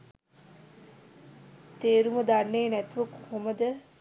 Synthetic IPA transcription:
t̪eːɾumɐd̪anːeːnæt̪uʋəkuhoməd̪ə

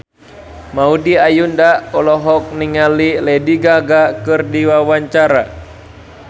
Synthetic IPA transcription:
maudiajundaɔlɔɦɔk̚niŋalilɛdiɡaɡakɨrdiwawaɲt͡ʃaɾa

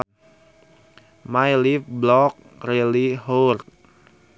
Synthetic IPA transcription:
majlifblɔk̚ | reliɦort̪̚

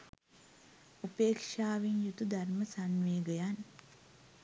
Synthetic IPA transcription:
upeːkʂaːʋinjut̪ud̪ʱaɾməsanʋeːɡəjan

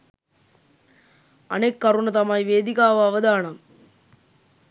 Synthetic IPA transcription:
ɐ̰nekːɐɾuɳɐt̪ɐmaːjʋeːd̪ɪkaːʋɐɐʋɐðaːɳɐm

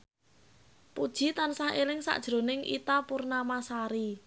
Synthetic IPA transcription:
pud̥ʒ̥i̤t̪ansaɦelɪŋsa̰ʔd̥ʒ̥ɾo̤nɪŋʔḭt̪apurnamasaɾi

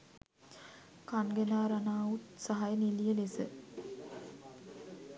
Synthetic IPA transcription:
kanɡenaːɾanaːut̪saɦajənilijəlesə

